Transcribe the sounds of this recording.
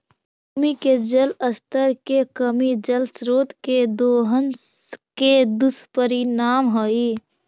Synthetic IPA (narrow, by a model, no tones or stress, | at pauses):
miked͡ʒələst̪əɾkekəmid͡ʒəlsɾoːt̪ked̪oːɦəns | ked̪ʊspəɾinaːmɦoːi